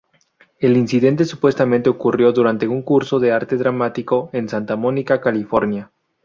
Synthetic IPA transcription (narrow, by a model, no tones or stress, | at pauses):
e̞linsiðe̞nt̪e̞supwe̞st̪amẽnt̪eokurjo̞ðuɾant̪e̞uŋkuɾso̞ðe̞aɾt̪e̞ðɾamat̪iko̞e̞nsant̪amõ̞nikakalifo̞ɾnja